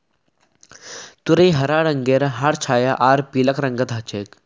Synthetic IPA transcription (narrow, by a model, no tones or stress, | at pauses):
t̪uɾəjɦəɾaɽəŋɡeɾɦaɽt͡ɕʰaːjaʔaɾpiːləkɾəŋɡət̪ɦət͡ɕek